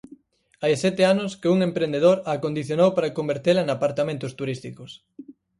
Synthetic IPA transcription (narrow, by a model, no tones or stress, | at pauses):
ajsɛt̪ɪanʊskeuŋempɾend̪eðoɾakond̪iθjonowpaɾakombeɾt̪elɐenapaɾt̪amẽnt̪ʊst̪uɾist̪ikʊs